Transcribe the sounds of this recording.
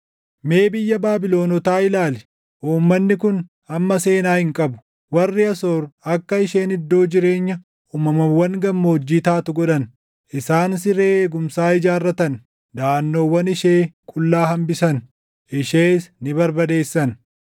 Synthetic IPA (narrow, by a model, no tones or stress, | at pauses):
me̞ːbɪjːɐbaːbɪlo̞ːnɔt̪aːɪlaːlɛ | ʔuːmːɐnːɪkʊn | ɐmːɐse̞ːnaːhɪŋkʼɐbʊ̥ | wɐrːɪɐsoːɾɐkːɐɪʃe̞ːnɪd̪ːo̞ːd͡ʒɪɾe̞ːɲːɐ | uːmɐmɐwːɐŋɡɐmːoːd͡ʒːiːt̪aːt̪ʊɡɔᶑɐn | ʔɪsaːns̬ɪɾeːeːɡʊmsaːɪd͡ʒaːrːɐt̪ɐn | d̪aːnːo̞ːwːɐnɪʃe̞ːkʼʊlːaːɦɐmbɪsɐn | ɪʃeːsnɪbɐɾbɐd̪e̞ːsːɐn